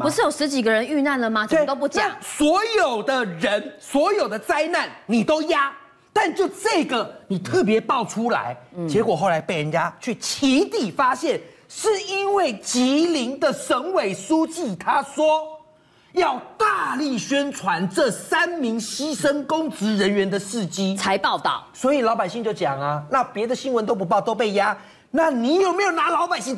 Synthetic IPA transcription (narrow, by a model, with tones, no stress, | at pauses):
pu˦ʂ̩˥˩jo˨˩ʊʂɻ̩˧˦t͡ɕi˨˩ɡə˦ɻə˧˦ny˥˧na˥˩nlə˩ma˨e˥˨˦t̪o˥ʊp̬u˥˩t͡ɕja˨˦ŋswɔ˨˥jo˨˩ʊd̪ə˦ɻə˧˦nswɔ˧˥jo˨˩ʊd̪ə˦t͡sa˥ɪna˥˨nni˨˩t̪o˦ʊja˦˥ | t̪a˥˧nt͡ɕjo˥˧ʊʈ͡ʂɤ˥˩ɡə˩ni˨˩t̪ʰɤ˥˩p̬jɛ˧˥˦pɑ˥˨ʊʈ͡ʂʰu˦la̰˧˦ɪt͡ɕjɛ˧˥kwɔ˨˩xo˥˩ʊla˧˦ɪpe˥ɪɻə˧˦nt͡ɕja˦t͡ɕʰy˥˩t͡ɕʰi˨˦t̪i˨˩fa˦ɕjɛ˥˨n | ʂɻ̩˥˩i˦nwe˥˩ɪt͡ɕi˨˦˥li˧˥ŋd̪ə˨ʂə˧˦ŋwe˨˩ɪsu˦t͡ɕi˥˨t̪ʰa˥swɔ˦ | jɑ˥˧ʊt̪a˥˧li˥˩ɕɥɛ˦˥nt͡sʰwa˧˦nʈ͡ʂɤ˥˨sa˦nmi˧˦ŋɕi˦ʂə˦ŋkʊ˥˦ŋt͡sɹ̩˧˦ɻə˧˦nɥɛ˧˦nd̪ə˨ʂɻ̩˥˨t͡ɕi˥t͡sʰa˧˦ɪpɑ˥˧ʊt̪ɑ̰˥˨˩ʊswɔ˧˥i˨˩lɑ˧˥ʊpa˨ɪɕi˥˧ŋt͡ɕjo˥˩ʊt͡ɕja˨˩ŋɐ˩na˥˨pjɛ˧˥d̪ə˨ɕi˥nwə˧˦nt̪̬o˥ʊp̬u˧˥p̬ɑ˥˧˨ʊt̪o˥ʊp̬e˥˩ɪja˦ | na˥˨˩ni˨˩jo˨˩me˧˥ɪjo˨˩ʊna˧˥lɑ˧˥ʊpa˨˩ɪɕi˥˨ŋ